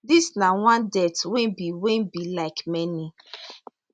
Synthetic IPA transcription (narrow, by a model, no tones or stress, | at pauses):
disnawãndɛtwẽnbiwẽnbilaɪkmɛni